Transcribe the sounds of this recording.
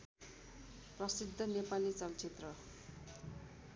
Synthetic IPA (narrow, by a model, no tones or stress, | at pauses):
prʌsid̪ʱːʌnepalit͡sʌlt͡sʰet̪rʌ